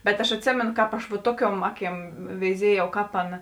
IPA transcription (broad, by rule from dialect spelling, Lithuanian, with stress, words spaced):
bʲɛt ɐʃ ɐtʲˈsʲeːmʲeːnʊ ˈkɑːp ɐʃ ʋɐ ˈtuɔˌkʲuɔm ˈɑːˌkʲiɛm ʋʲɛɪˈzʲiɛjɛʊ ˈkɑːp ˈɑːˌnɐ